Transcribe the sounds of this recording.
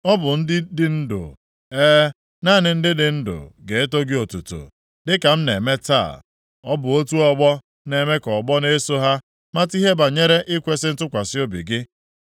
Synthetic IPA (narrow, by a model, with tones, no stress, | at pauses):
ɔ˦bʊ˨n̩˦dɪ˦dɪ˦n̩˦dʊ̰˨ | eː˦ | na˦˨nɪ˨n̩˦dɪ˦dɪ˨n̩˦dʊ̰˨ɡe˨e˦to˦ɡɪ˦o˨tu˨to̰˨ | dɪ˦ka˨m̩˦ne˨me˦ta̰˦˨ | ɔ˦bʊ˨o˦tu˦ɔ˦ɡ͡bɔ˦ | ne˨me˦kɔ˨ɡ͡bɔ˦ne˦so˦ɦa˦ | ma˦ti˦ɦe˦ba˨ɲe˦ɾe˦ʔɪ˦kʷe˦sɪ˦n̩˦tʊ˦kʷa˨sɪ˦o˦bḭ˨ɡɪ˦